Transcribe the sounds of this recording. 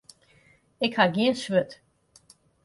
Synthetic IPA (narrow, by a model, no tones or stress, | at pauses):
ɪkhaɡiənsʋøt